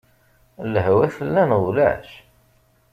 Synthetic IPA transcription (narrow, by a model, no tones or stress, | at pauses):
ləɦwæθəlːænʁlæ̰ʃ